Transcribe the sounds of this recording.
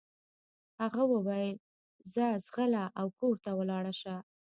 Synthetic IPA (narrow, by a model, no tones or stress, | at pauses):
haɣawəwajl | zazɣəlaʔawkoɾt̪awəlɑɽaʃa